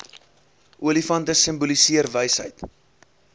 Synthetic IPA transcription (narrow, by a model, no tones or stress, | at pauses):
ʔuəlifɐntəsəmbulisiərvəjsɦə̰jt